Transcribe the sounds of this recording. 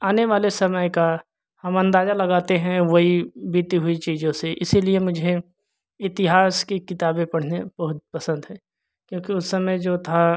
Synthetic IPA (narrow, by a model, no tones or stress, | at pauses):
aːneʋaːlesɐməjka | hɐmɐ̃nd̪aːzalɐɡaːt̪eɦɛ̃ʋɐɦibiːt̪iɦʊit͡ʃiːzõseʔɪsiliemʊd͡ʒʱe | ɪt̪ɪɦaːskekɪt̪aːbẽpɐɽ̤neb̥ɐɦʊt̪̚pɐsə̃nd̪ɦɛ̃ː | kjõːkiʊsːɐməjd͡ʒoːt̪ʰa